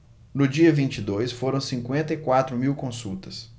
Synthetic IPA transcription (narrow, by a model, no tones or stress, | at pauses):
nʊd͡ʒiɐvĩnt͡ʃid̪ojsfoɾɐ̃w̃sĩŋkwẽnt̪ɐikwat̪ɾʊmiwkõsut̪ɐs